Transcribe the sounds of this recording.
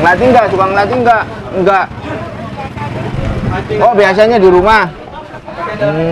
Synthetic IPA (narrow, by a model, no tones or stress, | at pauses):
ŋlat̪iŋɡaʔt͡ʃubaŋlat̪iŋɡaʔ | ŋɡaʔ | obias̬aɲadiɾuma